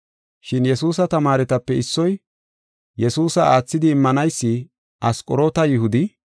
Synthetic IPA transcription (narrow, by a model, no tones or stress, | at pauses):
ʃɪnjɛsuːsɐt̪ɐmaːɾɛt̪ɐpːɛɪsːɔj | jɛsuːsɐaːt͡sːɪd̪ɪːmːɐnɐjsːɪ | ʔɐskʼɔɾo̞ːt̪ɐjɪhʊd̪ɪ